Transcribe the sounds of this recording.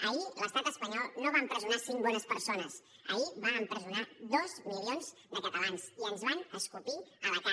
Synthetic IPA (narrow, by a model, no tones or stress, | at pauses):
əuləst̪at̪əspəɲɔlˠnoβampɾəzunasiŋbɔnəspəɾsonəs | ə̰uβaəmpɾəzunaðɔzmilionzd̪əput̪əlansiənzβanəskupiələkwa